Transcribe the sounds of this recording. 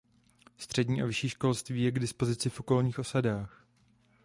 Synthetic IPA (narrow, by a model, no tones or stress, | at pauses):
st̪r̝̥ɛdɲiːʔavɪʃiːʃko̞lst̪viːjɛɡdɪspo̞zɪt͡sɪfʔo̞ko̞lɲiːxʔo̞sadaːx